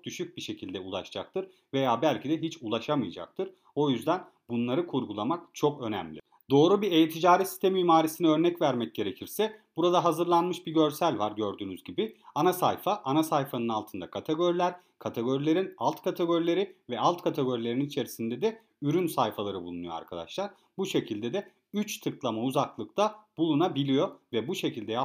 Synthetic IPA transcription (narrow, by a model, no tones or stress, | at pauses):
ok̚d̪̥yʃyc̚biʃe̞cʰilʲd̪ɛulˠa̰ʃd͡ʒak̚t̪ʰɯɾ | ve̞jaːbælʲcʰid̪ɛɦit͡ʃulˠaʃamɯjad͡ʒa̰k̚t̪ʰɯɾ̥ | o̞jyzd̪æn | bunlˠaɾɯkʰuɾɡulˠamakt͡ʃʰo̞kø̞næ̰mlʲḭ | d̪o̞ːɾubiɾejet̪ʰid͡ʒaːɾisi̥st̪emiiːmaːɾisiniø̞ɾnɛcvæɾmɛc̚ɟ̥e̞ɾe̞cʰiɾsɛb̥uɾad̪aɦazɯɾlˠanmɯʃbiɟø̞ɾsælʲvaɾɟø̞ɾd̪yːnyzɟibɪanasa̰jfaʔanasajfanɯnalˠt̪ʰɯnd̪akʰat̪ʰe̞ɡo̞ɾilʲæɾ | kʰat̪ʰe̞ɡo̞ɾilʲe̞ɾinalˠt̪kʰat̪ʰe̞ɡo̞ɾilʲe̞ɾivɛalˠt̪kʰat̪ʰe̞ɡo̞ɾilʲe̞ɾininit͡ʃʰe̞ɾisind̪ɛd̪ɛ | yɾynsajfalˠaɾɯbulˠunujoa̰ɾkʰad̪a̰ʃlˠaɾ | buʃe̞cʰilʲd̪ed̪ɛ | yt͡ʃt̪ʰɯklˠamauzaklˠɯk̚t̪ʰabulˠunabilʲijo̞vɛbuʃe̞cʰilʲd̪ɛja